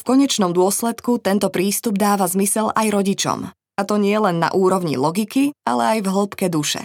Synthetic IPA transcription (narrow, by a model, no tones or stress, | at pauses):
fkɔɲɛt͡ʃnɔmd̪ʊɔslɛt̪kut̪ɛnt̪ɔpɾiːst̪ubd̪aːʋazmisɛlajɾɔɟit͡ʃɔ̰m | at̪ɔɲɪɛlɛnːa̰ʔuːɾɔʊɲḭlɔɡikia̰lɛajvɦl̩pkɛd̪uʃɛ̰